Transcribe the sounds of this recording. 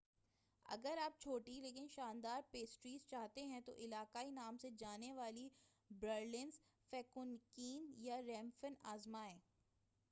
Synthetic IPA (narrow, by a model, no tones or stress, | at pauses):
ɐ̰ɡəɾaːp̚t͡ʃʰoːʈileːkɪnʃaːnd̪aːɾpeːsʈɾiːzt͡ʃaːɦt̪eɦɛ̃t̪o̰ʔɪlaːkaːinaːmsed͡ʒaːneʋaːli | bɾəɾlɪ̃nzfɛːkʊnkiːnjaɾɛ̃ːmfəna̰ːzmaɦɛː